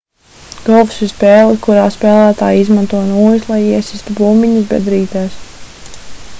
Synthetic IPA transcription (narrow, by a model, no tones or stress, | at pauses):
ɡ̥ɔlˠvsispɛːlˠikuɾaːspɛːlˠæːt̪aːjizmant̪uɔnuːjuslˠajiɛsist̪ubuːmiɲusbʲɛ̰d̪ɾiːt̪ɛːs